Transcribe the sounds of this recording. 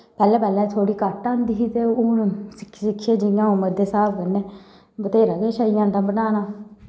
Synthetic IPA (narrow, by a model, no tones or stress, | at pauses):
pɛːlɛːpɛːlɛ̃ːt̪ʰoːɽiːkəʈãːnd̪iːɦiːt̪eːʊnsɪ̥ksɪkʰːeːd͡ʒɪjãːoːməd̪ːeːsaːbʰkənːeː | bət̪eːɾaːk̪eːʃəːijãːnd̪ãːbənaːnaː